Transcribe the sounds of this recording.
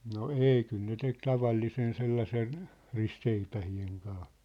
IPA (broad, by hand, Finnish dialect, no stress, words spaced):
no ei kyl ne tek tɑʋɑlːisen selːɑsen ristseipæhieŋ kɑː